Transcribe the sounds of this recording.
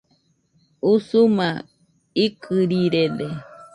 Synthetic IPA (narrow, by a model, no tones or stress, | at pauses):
usuma | ikʰɨɾiɾede